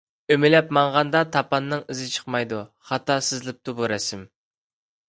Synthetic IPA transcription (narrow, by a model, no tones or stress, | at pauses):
ømɪlɛpmɑɴʁɑnd̪ɑt̪ʰɑpɑnːɨŋɨzɪt͡ʃʰə̥χmɑjd̪u | χɑt̪ɑsɪzlɪp̚t̪ubuɾɛsɪm